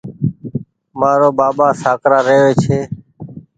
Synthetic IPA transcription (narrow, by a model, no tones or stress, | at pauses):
maːɾoːbaːɓaːsaːkɾaːɾeɦʋeːt͡ʃʰeː